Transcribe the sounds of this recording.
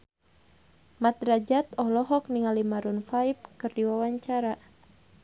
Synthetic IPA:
mat̪rad͡ʒat̪ɔhlɔɦɔk̚niŋalimaɾunfaip̚kɨrdiwawaɲt͡ʃaɾa

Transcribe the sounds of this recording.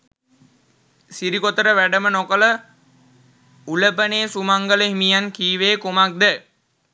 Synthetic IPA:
siɾikot̪əɾəʋæɖəmənokələ | uləpəneːsumaŋɡələɦimijankiːʋeːkumak̚d̪ə

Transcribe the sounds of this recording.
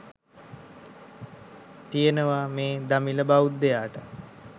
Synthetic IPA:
t̪ijənəʋameːd̪amiləbaut̪̚d̪ejaːʈə

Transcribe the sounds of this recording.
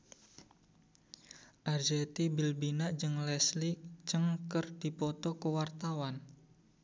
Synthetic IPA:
ʔard͡ʒet̪ibilbinaʔd͡ʒəŋlɛslikt͡ʃəŋkərdipɔt̪ɔkəwart̪awan

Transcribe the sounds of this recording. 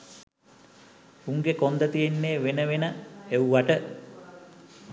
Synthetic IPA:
uŋɡekond̪ət̪ijenːeːʋenəʋenəewʋaʈə

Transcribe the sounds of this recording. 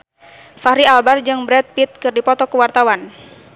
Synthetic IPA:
faɾialbard͡ʒɨŋbɾɛt̪̚pit̪̚kɨrdipɔt̪ɔkəwart̪awan

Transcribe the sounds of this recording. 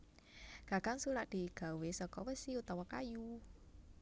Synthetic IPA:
ɡ̥aɡ̥aŋsulaʔd̪̥i̤ɡ̥a̤wesɔkɔwəsiut̪awakaju

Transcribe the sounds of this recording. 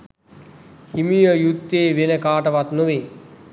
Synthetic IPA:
himijəjut̪ːeːʋenəkaːʈəʋat̪nuʋe

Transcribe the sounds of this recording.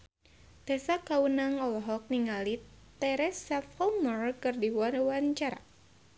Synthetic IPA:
t̪ɛsakaunaŋɔlɔɦɔk̚niŋali | t̪ɛɾɛsafɔmɔrkɨrdiwanwaɲt͡ʃaɾa̰

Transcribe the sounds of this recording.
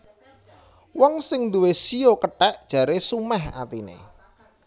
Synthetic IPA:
wɔŋsɪŋnd̪uwesijokəʈɛʔd̥ʒ̥a̤ɾesumɛha̰t̪inḛ

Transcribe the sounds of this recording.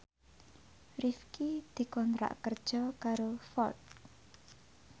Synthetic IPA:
rifkid̪̥i̤kɔnt̪ɾa̰ʔkərd̥ʒ̥ɔ̤kaɾofɔrt̪̚

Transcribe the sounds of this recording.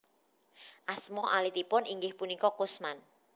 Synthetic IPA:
ʔasmɔʔalit̪ipʊniŋɡɪhpunikɔkʊsman

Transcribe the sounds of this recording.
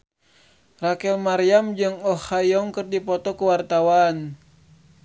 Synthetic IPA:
rakɛlmaɾiamd͡ʒɨŋɔhajɔŋkɨrdipɔt̪ɔkuwart̪awan

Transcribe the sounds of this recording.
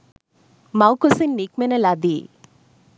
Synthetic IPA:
mawkusinːik̚menɐlad̪i

